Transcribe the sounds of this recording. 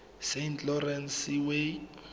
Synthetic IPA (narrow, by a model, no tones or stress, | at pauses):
sentlɔrɛnsiwe